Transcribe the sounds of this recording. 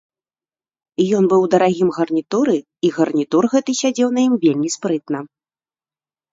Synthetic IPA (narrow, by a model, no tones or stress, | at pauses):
jɔnbɨwd̪ɐɾaɣʲimɣɐrnʲit̪uɾɨ | iɣɐrnʲit̪urɣɛt̪ɨsʲad͡zʲɛwnɐjimvʲelʲmʲispɾɨt̪nɐ